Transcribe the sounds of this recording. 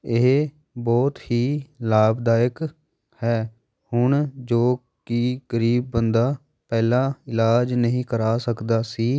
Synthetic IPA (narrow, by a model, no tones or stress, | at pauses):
ɪɦ | bɔːt̪hiːlaːbd̪aːjək | hɛː | hʊɳd͡ʒoː | kiːɡəɾiːb̚ːənd̪aː | pɛːlãːɪlaːd͡ʒnəɦĩːkəɾaːsəkd̪aːsiː